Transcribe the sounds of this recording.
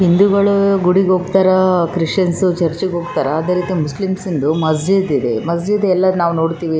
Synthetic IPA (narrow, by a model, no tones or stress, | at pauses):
ɦind̪uɡɐɭuɡuɽiɡoːɡt̪aːɾɐkɾiʂʈɐnsut͡ʃɐɾt͡ʃiɡɦoːɡt̪aːɾɐːd̪eːɾiːt̪imuslimsind̪umɐs̬d͡ʒid̪id̪e̞mɐs̬d͡ʒid̪ɛlːɐd̪naːʋno̞ːɽt̪iːʋi